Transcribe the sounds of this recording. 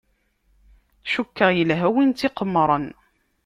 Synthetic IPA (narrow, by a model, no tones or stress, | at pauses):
ʃukːəʁjəlɦæwint̪iqəmːɾˤən